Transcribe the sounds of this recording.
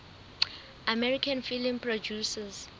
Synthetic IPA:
amɛɹikʰanfilĩmpʰrod͡ʒusaz

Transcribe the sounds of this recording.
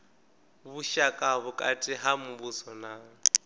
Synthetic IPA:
βuʃakʼaβʊkʼatʼɪɦamuβusɔnaːŋ̩

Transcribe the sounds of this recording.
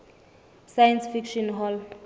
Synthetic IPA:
sajansfikʃɔnɦɔl

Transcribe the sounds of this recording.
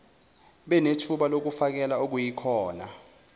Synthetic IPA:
ɓɛnetʰuɓalok̬ufak̬ɛlaok̬ujikʰɔːna

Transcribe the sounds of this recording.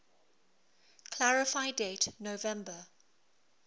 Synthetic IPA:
kʰl̥aɹɪfaɪdeɪtnovɛ̃mbə

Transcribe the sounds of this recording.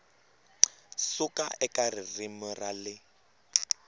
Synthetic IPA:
sʊkʼaʔɛkʼarɪrɪmʊralɪ

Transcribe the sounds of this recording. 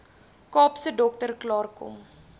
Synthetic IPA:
kɑːpsədɔk̚tərklɑːrkɔ̰m

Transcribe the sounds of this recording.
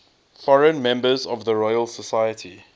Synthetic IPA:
fɔɹə̃nmɛ̃mbəzɔvðəɹɔɪəlˠsəsajətʰi

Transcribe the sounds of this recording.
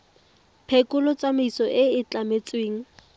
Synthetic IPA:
pʰekʼʊlɔt͡samɪisɔʔɪɪt͡ɬamet͡sweːŋ̩

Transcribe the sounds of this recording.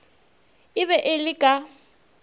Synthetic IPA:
ɪβɛʔɪlɪkʼa

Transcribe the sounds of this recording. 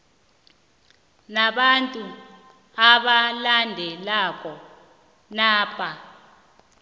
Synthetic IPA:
naɓantʼu | aɓalandʱɛlak̬ʼɔ | naːpʰʼa

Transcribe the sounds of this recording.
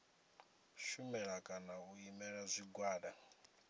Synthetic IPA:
ʃumɛɺakʼanaɣuimɛɺazʷiɡwaːɗa

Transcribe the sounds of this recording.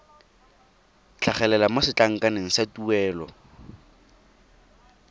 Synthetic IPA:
t͡ɬʰaχɛlɛlamosɪt͡ɬʼaŋ̩kanɪŋ̩satuɛːlɔ̰

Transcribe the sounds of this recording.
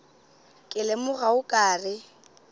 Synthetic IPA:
kʼɪlɛmʊɣaʊkʼaːrɪ

